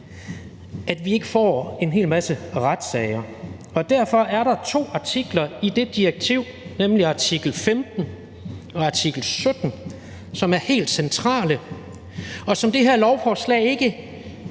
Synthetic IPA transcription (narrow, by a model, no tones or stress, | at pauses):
ʔæd̥ʋie̝ɡ̥əfɒ̰ːe̝nɦe̝̰ːlmæsəʁad̥sɛɪɐ | ɒ̽d̥æɐ̰fɒ̽ʔæɐɾɑ̈t͡sʰo̝̰ːɑ̈t͡sʰiɡ̥lɐid̥e̝d̥iɐɡ̥̚t͡sʰiʊ̰nemliɑ̈t͡sʰiɡ̥l̩femd̥n̩ | ɒ̽ɑ̈t͡sʰiɡ̥l̩sød̥n̩ | sɒ̽mæɐhe̝̰ːld̥sent͡sʰʁɑ̰̈ːlə | ɒ̽sɒ̽md̥e̝ɦæɐ̰lɒʊfɒːslɛ̰ːɪe̝ɡ̥ə